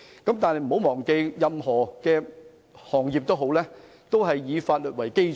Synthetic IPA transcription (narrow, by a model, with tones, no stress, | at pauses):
kɐ˨˥mt̪aː˨nhɛ˨jm̩˨˩o˨˥wmɔː˨˩ŋke˧jjɐ˨mɦɔː˨˩kɛː˧ | hɔː˨˩ŋji˨p̚t̪o˥ɦo˨˥wlɛː˥ | t̪o˥wɦɐ˨jːiː˨˧faː˧t̚lɵː˨t̚wɐ˨˩jke˥j